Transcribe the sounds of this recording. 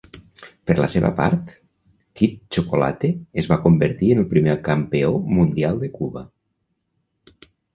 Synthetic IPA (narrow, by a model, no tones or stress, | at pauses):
pəɾlə̰seβə̰pa̰ɾt̪ | kit̪t͡ʃokola̰t̪eːzβakombəɾt̪iənəlˠpɾimekampeomund̪ialˠd̪əkuβə